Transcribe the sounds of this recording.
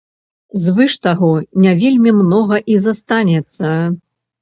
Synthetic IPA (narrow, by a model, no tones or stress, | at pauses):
zvɨʂt̪aɣɔnʲavʲelʲmʲimnɔɣɐʔizast̪anʲɛt̪sːɐ